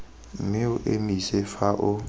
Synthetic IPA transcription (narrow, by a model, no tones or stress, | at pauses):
mɪʊʔemisɛfaʔʊ